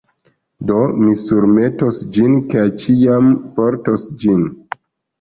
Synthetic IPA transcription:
domisuɾme̞tosd͡ʒinket͡ʃiampoɾtosd͡ʒin

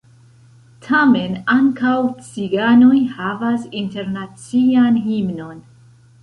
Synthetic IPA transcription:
tʰame̞naŋkawt͡siɡano̞jhavasinte̞ɾnat͡sianhimno̞n

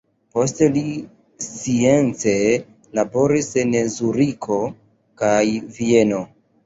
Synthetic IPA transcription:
po̞stli | sie̞nt͡se | labo̞ɾisenezuɾikʰo̞ | kajvie̞no̞

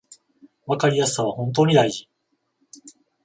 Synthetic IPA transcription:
βakaɾʲijasɨ̥saβ̞ahõnt̪̬o̞ːɲ̟id̪aiʑi

